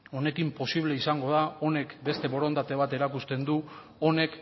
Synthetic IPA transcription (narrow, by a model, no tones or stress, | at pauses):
o̞ne̞kimpo̞siβle̞isaŋɡo̞ð̞ao̞ne̞kbe̞st̪e̞βo̞ɾo̞nt̪at̪e̞β̞at̪e̞ɾakust̪e̞nd̪u | one̞k